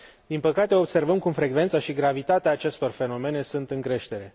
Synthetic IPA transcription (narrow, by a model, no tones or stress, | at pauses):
d̪inpəkat̪e̞o̞bse̞rvəmkumfɾe̞ɡve̞nt̪saʃiɡɾavit̪at̪eaːt͡ʃe̞st̪o̞rfe̞no̞me̞ne̞sunt̪ɨŋkɾe̞ʃt̪e̞ɾe̞